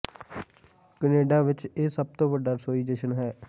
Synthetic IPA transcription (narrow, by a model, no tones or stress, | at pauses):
kəneːɖaːʋɪt͡ʃeːsəb̚t̪õːʋəɖaːsoːiːd͡ʒeːʃənɦɛː